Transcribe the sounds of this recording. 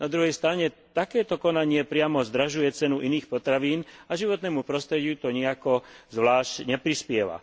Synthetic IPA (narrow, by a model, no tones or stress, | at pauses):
nad̪ɾuɦɛjst̪ɾaɲɛt̪akɛːt̪ɔkɔnaɲɪɛpɾɪamɔzd̪ɾaʒujɛt͡sɛnuʔiniːxpɔt̪ɾaʋiːnaʒiʋɔt̪nɛːmupɾɔst̪ɾɛɟɪut̪ɔɲɛakɔzʋlaːʃcɲɛpɾispɪɛʋa̰